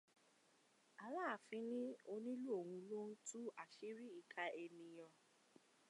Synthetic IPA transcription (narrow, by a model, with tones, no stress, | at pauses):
a˨w̃ã˦a˨fĩ˨˦nĩ˦o˧nĩ˦lu˦o˦˨wũ˧lõ˦tu˦a˨ʃi˦ɾi˦i˦˨kʰa˧e˧nĩ˨j̃ɔ̃˨